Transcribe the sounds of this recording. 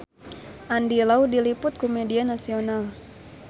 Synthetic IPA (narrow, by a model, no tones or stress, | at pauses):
ʔandilawdilipʊt̪̚komedianasional